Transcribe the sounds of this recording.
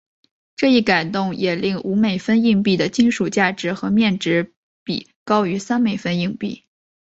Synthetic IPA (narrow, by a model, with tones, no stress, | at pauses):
ʈ͡ʂɤ˥˧i˥˩ka˨˩ɪt̪ʊ˥˩ŋjʔɛ˨˩li˥˩ŋʔu˧˥me˨˩ɪfə˥ni˥˧ŋp̬i˥˩d̪ə˩t͡ɕi˥nʂu˨˩t͡ɕja˥˩ʈ͡ʂɻ̩˧˥xɤ˧˥mjɛ˥˩nʈ͡ʂɻ̩˧˥ | pḭ˨˩ | kɑ˥ʊy˧˥sa˥nme˨˩ɪfə˥ni˥˧ŋpḭ˥˩